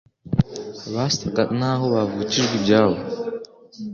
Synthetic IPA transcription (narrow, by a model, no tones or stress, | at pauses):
βast̪ʰaɡatnaːɦoβavuːciʒɡibɟaːβo